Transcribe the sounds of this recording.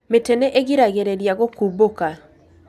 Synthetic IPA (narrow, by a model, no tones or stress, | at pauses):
metɛnɛʔeɣiɾaɣeɾeɾjaɣokuboka